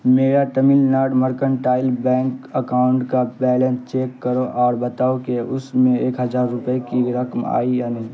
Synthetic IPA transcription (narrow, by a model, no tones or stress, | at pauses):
meːɾaʈəmɪlnaːɾɖməɾkəɳʈaːɪlbɛ̃ːŋkəkaːʊ̃ɳʈkabɛːlẽnst͡ʃeːkːəɾoʔɔːɾbət̪aːokeʊsmẽeːkɦəzaːɾːʊpəekiɾəkma̰ːijanəɦĩ